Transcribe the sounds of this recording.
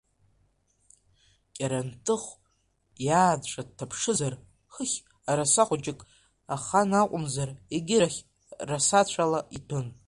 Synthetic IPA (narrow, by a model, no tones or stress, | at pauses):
kʲʼaɾantʰʼɨχʷ | jaːdʈ͡ʂʷʼad̚tʰːapʰʂɨzar | χəχʲ | aɾasaχʷʊt͡ʃʼɪkʼ | aχanaqʷʼʊmzareɡʲɪɾaχʲ | rasat͡ɕʷʰalaitʰɨn